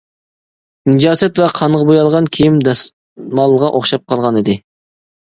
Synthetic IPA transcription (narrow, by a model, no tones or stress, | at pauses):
nɪd͡ʒɑːsɛt̪vɛqʰɑɴʁɑbojɑlˠʁɑnkʲʰijimd̪ | mɑlˠːəʁɑʔoχʃɑp̚qʰɑlˠʁɑnɪd̪ɪ